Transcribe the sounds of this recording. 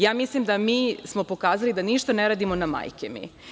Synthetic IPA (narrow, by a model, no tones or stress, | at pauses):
jaːmislimd̪amiːsmo̞po̞kaːzalid̪aniʃt̪aneɾaːd̪imo̞nama̰ːjkemḭ